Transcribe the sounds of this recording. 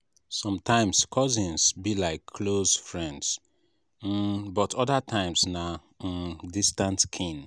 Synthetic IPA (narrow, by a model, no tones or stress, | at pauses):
sɔ̃mtʰãɪ̃mskʰɔzĩnsbilaɪkʰːlozfɹɛ̃nds̩ | bɔtʰɔdatʰãɪ̃msna | distãntkʰĩn